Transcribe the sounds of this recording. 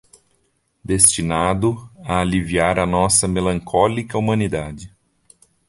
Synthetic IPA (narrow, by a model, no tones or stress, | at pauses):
d̪est͡ʃinad̪ʊɐːliviaɾɐnɔsɐmelɐ̃ŋkʰɔlikɐumɐ̃nid̪ad͡ʒɪ